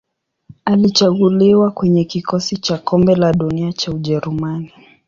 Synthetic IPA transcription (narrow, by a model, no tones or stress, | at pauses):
alit͡ʃaɣuliwakwɛɲɛkikɔsit͡ʃakɔmbɛlaɗuniat͡ʃauʄɛɾumani